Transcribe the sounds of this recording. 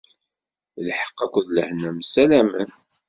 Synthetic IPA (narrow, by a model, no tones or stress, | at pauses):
lħə̥qːækʷːəðlə̰hnæmsælæmə̰n